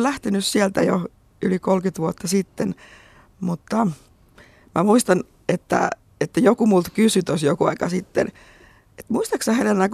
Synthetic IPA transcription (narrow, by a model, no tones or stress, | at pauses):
læht̪enyssielt̪æjo | ylikolkyt̪ʋuot̪ːɑsit̪ːen | mut̪ːɑ | mʔæmuist̪ɑn | et̪ːæ̰ | et̪ːæjokumult̪kysyt̪osjokuɑ̰ikɑsit̪ːḛn | et̪muist̪ɑksɑhelelnæk